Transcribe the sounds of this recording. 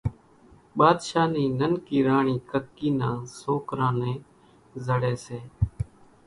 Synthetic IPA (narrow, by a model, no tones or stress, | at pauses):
ɓaːd̪ʃaːniːnənkiːɾaːɳiːkʰəkːiːnãːsoːkɾãːnẽː | zəɽeːseː